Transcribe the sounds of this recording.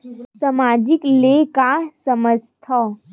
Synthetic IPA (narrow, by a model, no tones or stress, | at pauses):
sɐmaːd͡ʒɪklekaːsəməst̪ʰa